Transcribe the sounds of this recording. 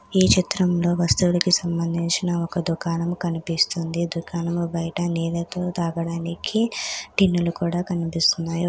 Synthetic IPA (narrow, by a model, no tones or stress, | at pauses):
iːt͡ʃit̪ɾɐmlo̞ːʋɐst̪uulɐkisɐmbɐnd̪ʱiɲt͡ʃinɐɔkɐd̪ukaːnɐmukɐnipist̪und̪id̪ukaːnɐmubɐjɐʈɐnɛːd̪ɐt̪oːt̪aːɡɐɽaːnikʰiʈinːulukuːɽaːkɐnipist̪unːaːju